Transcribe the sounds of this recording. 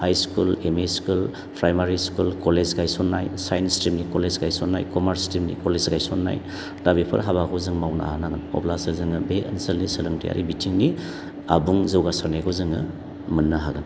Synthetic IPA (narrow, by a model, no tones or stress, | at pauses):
hajskulemeskul | pʰɾajmaɾiskulkolezɡajsɔnːajsajenstɾimnikolezɡajsɔnːa̰jkomaɾstimnḭkolezɡajsonːa̰j | dabipʰɐ̰ɾɦaβakɡʰɔzɯŋmawna̰anaɡɯnɔ̰plasɯlzɯŋɯbeɐnsəlnisɐlɯŋtḭja̰ɾʔḭbitʰiŋni | a̰buŋzɐwɡasaɾnaɡʰɔzɯŋɯ̰ | mɯnːaɦaɡɯn